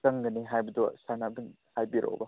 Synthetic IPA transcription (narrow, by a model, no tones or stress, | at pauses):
ɐŋɡɐniɦajbɐdɔsanabin | hajbiɾʔo̰wbɐ